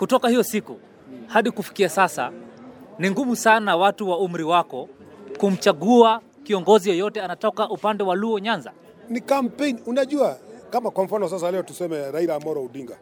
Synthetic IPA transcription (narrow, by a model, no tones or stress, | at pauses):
kutɔkahijɔsiku | haɗikufi̥kiasasa̰ | niŋɡumusanawatuwaum̩ɾiwakɔkum̩t͡ʃaɠua | kiɔŋɡɔzijɔjɔtɛanatɔkaʔupandɛwaluɔɲanza | nikam̩peniunaʄuakamakwam̩fanɔsas̬alɛɔtusɛmɛɾaiɾamɔɾɔuɗiŋɡa